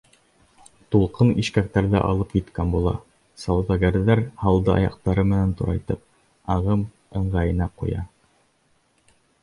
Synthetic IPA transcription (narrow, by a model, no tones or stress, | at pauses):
t̪ulˠqɤniʃkæk̚t̪æɾðɘʔɑ̰lˠɤpjit̪kænbulˠɑ̰ | sɑwðɑɡæɾðæɾhɑlˠd̪ɤɑ̰jɑ̰q̚t̪ɑɾɤmɘ̆nænt̪uɾɑ̰jt̪ɤp̚ | ɑʁɤm | ɤ̆ɴʁɑjɤ̆nɑqṵjɑ̰